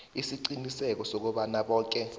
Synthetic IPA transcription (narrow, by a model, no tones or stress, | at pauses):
isiǀinisɛk̬ɔsok̬uɓanaɓɔːk̬ʼɛ